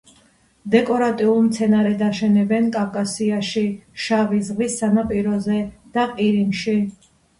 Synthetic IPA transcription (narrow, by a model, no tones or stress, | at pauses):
d̪ɛkʼɔɾat̪ʼiulˠmt̪sʰɛnaɾɛd̪aʃɛnɛbɛnkʼavkʼasiaʃiʃavis̬ʁisːanapʼiɾɔzɛd̪̥aqʼiɾimʃi